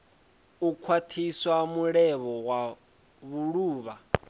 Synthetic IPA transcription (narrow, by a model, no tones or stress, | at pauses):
ukʰwatʰiswamuɺɛβɔwa | βuɺuːβa